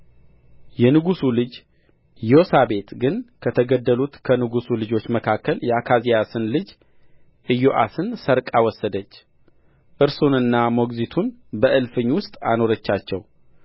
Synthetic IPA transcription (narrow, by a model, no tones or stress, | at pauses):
jɛnɨɡusulɨd͡ʒ | josaβe̞t̪ɡɨnkʰət̪ʰəɡəd̪ːəlut̪kʰənɨɡusulɨd͡ʒo̞t͡ʃːməkʰakːəljɛakʰazijasɨnlɨd͡ʒ | ʔɨjoʔa̰sɨnsəɾkʼawɔsːəd̪ət͡ʃː | ʔɨɾsunɨnːamo̞ɡzit̪ʰunbəʔɨlfɨɲːwʊst̪ʼa̰no̞ɾət͡ʃːat͡ʃːɛw